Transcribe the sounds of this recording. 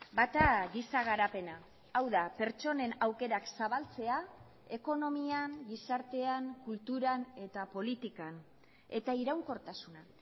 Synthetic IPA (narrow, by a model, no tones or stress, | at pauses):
bat̪aɣisaɣ̞aɾape̞naː | wðape̞ɾt͡ʃo̞ne̞nawke̞ɾaksaβalt͡se̞a | e̞ko̞no̞miaŋɡisaɾt̪e̞aŋkult̪uɾane̞t̪apo̞lit̪ikan | e̞t̪aiɾawŋko̞ɾt̪asuna